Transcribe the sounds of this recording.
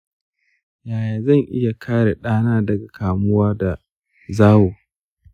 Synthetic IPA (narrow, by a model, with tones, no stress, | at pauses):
jaː˨jaː˨zɐ˦˨ŋʔɪ˦ja˨kʰaː˦ɽe˨ɗaː˦naː˦dɐ˨ɡa˨kʰaː˨mʊ˦waː˦da˨ | zaː˦woː˨